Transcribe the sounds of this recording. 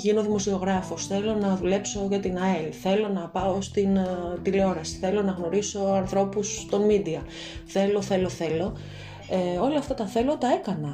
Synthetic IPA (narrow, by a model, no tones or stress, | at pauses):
ʝino̞ðimo̞sio̞ɣɾɐfo̞sθe̞lo̞nɐðule̞pso̞ʝɐt̪inɐelθe̞lo̞nɐpɐost̪int̪ileo̞ɾɐsi̥θe̞lo̞nɐɣno̞ɾiso̞ɐnθɾo̞pust̪o̞nmid̪iɐ | θe̞lo̞θe̞lo̞θe̞lo̞ | eo̞loɐft̪ot̪ɐθe̞lo̞t̪ɐe̞kɐnɐ